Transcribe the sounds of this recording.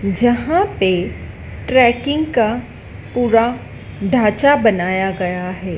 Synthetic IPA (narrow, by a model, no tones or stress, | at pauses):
d͡ʒɐɦãpe | ʈɾɛːkɪ̃ŋɡka | puːɾa | ɖʱaːt͡ʃabɐnaːjaɡɐjaɦɛː